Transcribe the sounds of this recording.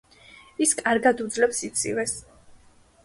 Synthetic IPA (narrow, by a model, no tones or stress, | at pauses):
iskʼaɾɡad̪ud̪zlɛpsit̪sʼḭvɛs